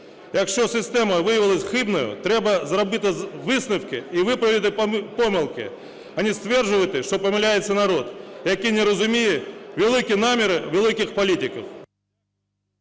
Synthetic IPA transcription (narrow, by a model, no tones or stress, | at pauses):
jakʂosʲɪsʲt̪ʲeməvɨjɪvʲɪlˠəsʲxɨbnəjʊ̰t̪ɾʲebəzəɾɐbɨt̪əvɨsnɨfkʲɪivɨpɾəvʲɪt̪ɨpomʲɪlˠkʲɪ̰ | ɐnʲist̪vʲe̞rʐɨvəjɪt̪ɨʂt̪o̞pəmʲɪlʲæjɪt̪sːənɐɾo̞t̪jɐkʲijnʲɪɾəzʊmʲijɪvʲɪlˠikʲɪnamʲɪɾɨvʲɪlʲˠikʲɪxpɐlʲitʲɪkəf